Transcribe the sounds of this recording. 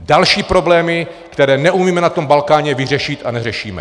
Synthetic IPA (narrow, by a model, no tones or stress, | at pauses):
dalʃiːpɾo̞blɛːmɪ | kt̪ɛɾɛːnɛʔumiːmɛnat̪o̞mbalkaːɲɛvɪr̝ɛʃɪt̪ʔanɛrɛʃiːmɛ̰